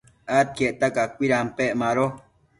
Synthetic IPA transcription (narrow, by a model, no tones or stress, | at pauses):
at̪̚keʔt̪akakʷiɾampeʔmaɾo